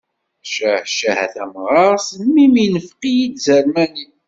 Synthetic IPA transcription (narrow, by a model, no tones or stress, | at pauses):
ʃæʃæhæ̰θæmʁɑʁsənmiminəfqijid̪zæɾmæni